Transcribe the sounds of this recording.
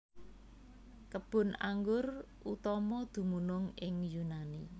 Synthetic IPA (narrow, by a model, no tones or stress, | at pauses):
kəb̥ʊ̤na̰ŋɡʊr | ut̪ɔmɔd̪̥ṳmunʊŋɪŋjunani